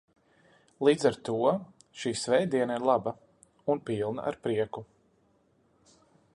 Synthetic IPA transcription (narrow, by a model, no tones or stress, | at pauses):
lˠiːd̪zaɾt̪uɔ | ʃiːsvɛjd̪iɛnaiɾlˠaba | unpiːlˠna̰ʔa̰ɾpɾiɛku